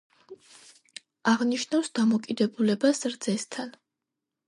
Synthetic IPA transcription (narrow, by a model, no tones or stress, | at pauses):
aʁniʃnafsd̪amɔkʼid̪ɛbulɛbasɾd̪zɛst̪ʰan